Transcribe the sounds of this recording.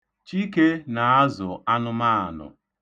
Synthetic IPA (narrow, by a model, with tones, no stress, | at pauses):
t͡ʃi˦ke˦na˨a˦zʊ˨a˦nʊ˦ma˦a˨nʊ̰˨